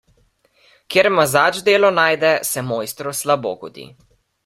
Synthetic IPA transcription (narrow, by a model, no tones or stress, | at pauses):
kjeːɾmazaːt͡ʃd̪eːlɔnaːjd̪ɛsɛmoːjst̪ɾɔslabo̰ːɡɔd̪ḭ